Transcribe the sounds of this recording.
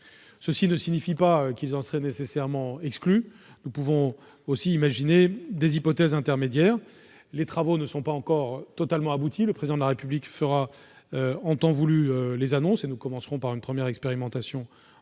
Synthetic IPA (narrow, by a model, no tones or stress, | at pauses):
səsinəsinifipaøkilzɑ̃sʁɛnesesɛʁmɑ̃ɛkskly | nupuvɔ̃ | osiːmaʒined̪ezipɔt̪ɛzɛ̃t̪ɛʁmed̪jɛːʁ | let̪χavonəsɔ̃paɑ̃kɔʁt̪ɔt̪almɑ̃abut̪ʰiləpχezid̪ɑ̃d̪laʁepyblikfəʁa | øɑ̃t̪ɑ̃vulyølezanɔ̃senukɔmɑ̃sʁɔ̃paʁynpχəmjɛʁɛkspeʁimɑ̃t̪asjɔ̃